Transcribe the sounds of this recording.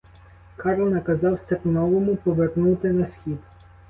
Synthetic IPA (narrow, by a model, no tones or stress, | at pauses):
kɑɾlˠnɐkɐzɑwst̪ɐpɪnɔʋɔmʊpɔʋernut̪ɪnɐsʲxʲid̪